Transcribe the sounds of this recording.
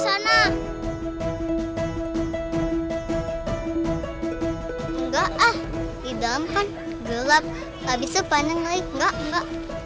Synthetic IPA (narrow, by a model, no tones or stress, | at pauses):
sana | ŋɡaʔahdidaləmkan | ɡəlap̚ | abisapanəŋlaiŋɡaʔŋɡaʔ